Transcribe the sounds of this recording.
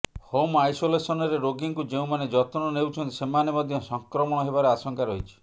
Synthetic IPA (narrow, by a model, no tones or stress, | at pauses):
homajsolesɔnɔɾeɾoɡiŋkud͡ʒeũmaned͡ʒɔt̪ɔnɔnewt͡ʃʰɔnt̪isemanemɔd̪ʱjɔsɔŋkɾɔmɔɽ̃ɔɦebaɾeasɔŋkaɾɔɦit͡ʃʰi̥